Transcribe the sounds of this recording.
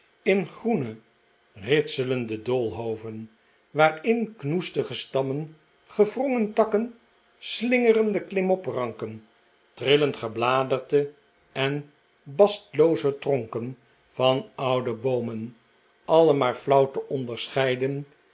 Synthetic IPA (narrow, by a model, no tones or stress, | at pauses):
ɪnχrunə | rɪtsələndədolˠɦowvən | ʋaːrɪnknustəχəstɑmən | χəvrɔŋəntɑkən | slɪŋərəndəklɪmɔprɑŋkən | trɪləntχəblaːdərdə | ʔɛn | bɑstlowzətrɔŋkən | vɑnʌwdəbowmən | ʔɑləmaːɹflʌwtəʔɔndəɹsχɛjdən